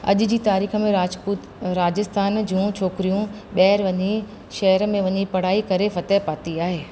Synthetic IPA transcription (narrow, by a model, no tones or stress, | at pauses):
ɐ̰ʄʊ̆d͡ʑiːt̪aːɾiːxə̆mẽɾaːd͡ʑpuː | ɾaːd͡ʑɪst̪ʰaːnd͡ʑũːt͡ɕʰoːkɪɾijũ | ɓɛːɾʋɐɲi | ʃɐɦəɾmẽʋɐɲipɐɽ̤aːikɐɾefɐt̪ɛɦpaːt̪iaːɦeː